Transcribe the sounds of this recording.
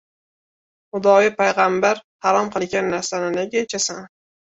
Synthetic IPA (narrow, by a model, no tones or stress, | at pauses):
χʊd̪ɒjɪpʰajʁambaɾhɑɾɒmqɨlˠɡʲanːaɾsanɪnaɡʲat͡ʃʰasan